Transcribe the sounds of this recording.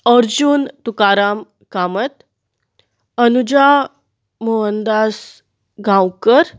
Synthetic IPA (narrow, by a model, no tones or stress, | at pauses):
əɾd͡ʑunt̪ukaɾam | kamət̪ | ənud͡ʑa | moənd̪as | ɡãwkəɾ